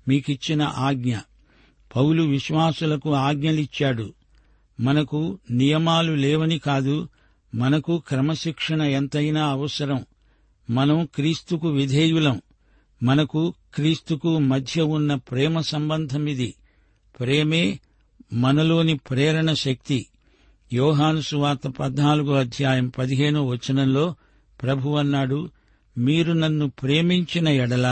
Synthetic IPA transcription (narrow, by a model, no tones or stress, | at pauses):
miːkit͡ʃːinɐ̰ʔaːɡɲɐ | pɐwluʋiʃʋaːsulɐkuaːɡɲɐlit͡ʃːaːɽu | mɐnɐkunijɐmaːlulɛːʋɐnikaːd̪u | mɐnɐkukɾɐmɐʃikʂɐɳɐent̪ɐjnaːɐʋɐsɐɾɐm | mɐnɐmkɾiːst̪ukuʋid̪ʱeːjulɐm | mɐnɐkukɾiːst̪ukumɐd̪ʱjɐunːɐpɾɛːmɐsɐmbɐnd̪ʱɐmid̪i | pɾeːme̞ː | mɐnɐlo̞ːnipɾɛːɾɐɳɐʃɐk̚t̪i | jɔːɦaːnusuʋaːt̪ɐpɐd̪naːluɡuɐd̪ʱjaːjɐmpɐd̪iɦe̞ːɳuʋɐt͡ʃːɐnɐmlo̞ː | pɾɐbʱuʋɐnːaːɽu | miːɾunɐnːupɾeːmiɲt͡ʃinɐɛɽɐlɐ